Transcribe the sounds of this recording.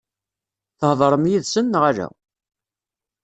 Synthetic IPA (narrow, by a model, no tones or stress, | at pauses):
θəhðˤɾˤəmjiðsənːʁalæ̰